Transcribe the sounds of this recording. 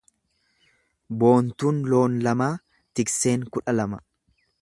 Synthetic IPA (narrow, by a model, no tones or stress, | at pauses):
bo̞ːnt̪uːnlo̞ːnlɐmaː | t̪ɪkse̞ːŋkʊᶑɐlɐmɐ